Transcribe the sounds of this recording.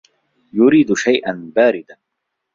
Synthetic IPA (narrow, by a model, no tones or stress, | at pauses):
jʊɾiːd̪ʃajʔanbaːɾɪd̪a